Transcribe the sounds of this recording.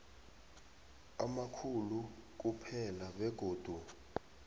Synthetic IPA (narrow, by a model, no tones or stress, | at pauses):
amakʰuluk̬upʰɛlaɓɛɡ̥ʱoːd̥ʱu